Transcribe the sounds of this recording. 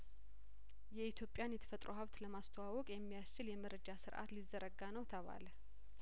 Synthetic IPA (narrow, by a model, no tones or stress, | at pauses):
jɛit̪ʰjo̞pʼːjanjɛt̪ʰə̥fət̪ʼɾohəβt̪ləmast̪ʰəwawɔkʼjɛmːijast͡ʃɪljɛməɾəd͡ʒasɨɾʔa̰t̪lizːəɾəɡːanəwt̪ʰəβa̰l